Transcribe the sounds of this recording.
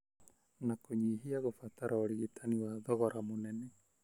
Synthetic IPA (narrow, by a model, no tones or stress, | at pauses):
nakuɲiɦiaɣɔfat̪aɾʔaɔɾiɡit̪ʰaniwad̪ɔɣɔɾʔamunɛnɛ